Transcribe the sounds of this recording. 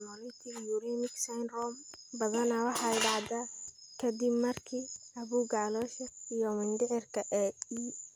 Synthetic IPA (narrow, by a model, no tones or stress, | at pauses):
mɔlɪt̪ʰijuɾɛmɪɡsajnrɔmbɐðɐnɐwɑħɑɪɖɑʕd̪aː | kʰɐd̪ɪbmɐrkʰiː | ɐβuːɡalɔːʃɛijɔmɪnd̪ɪʕɪrkʰɐʔɛi